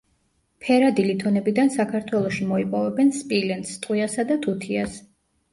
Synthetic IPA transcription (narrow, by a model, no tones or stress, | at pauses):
pʰɛɾad̪ilit̪ʰɔnɛbid̪ansakʰaɾt̪ʰwɛlˠɔʃimɔipʼɔvɛbɛnspʼilɛnt̪st̪ʼwiasad̪at̪ʰut̪ʰias